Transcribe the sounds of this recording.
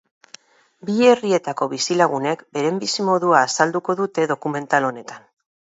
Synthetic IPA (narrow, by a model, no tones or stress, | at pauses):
bie̞rie̞t̪ako̞βisilaɣ̞une̞kbe̞ɾe̞mbisimo̞ðuaːsald̪uko̞ðut̪e̞ðo̞kume̞nt̪alo̞ne̞t̪an